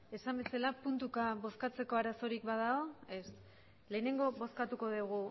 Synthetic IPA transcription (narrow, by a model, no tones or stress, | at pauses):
e̞sambe̞salapunt̪ukaβo̞skat͡se̞ko̞aɾaso̞ɾikβaðaoes | le̞ːne̞ŋɡo̞βo̞skat̪uko̞ðuɣ̞u